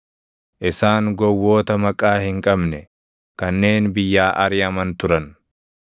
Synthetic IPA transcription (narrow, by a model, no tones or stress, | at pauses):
ʔɪsaːŋɡɔwːo̞ːt̪ɐmɐkʼaːhɪŋkʼɐbnɛ | kɐnːe̞ːnbɪjːaːʔɐɾɪɐmɐnt̪ʊɾɐn